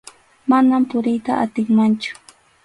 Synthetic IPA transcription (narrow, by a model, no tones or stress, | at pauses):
manampʊɾɪjt̪aʔat̪ɪŋmant͡ʃʊ̥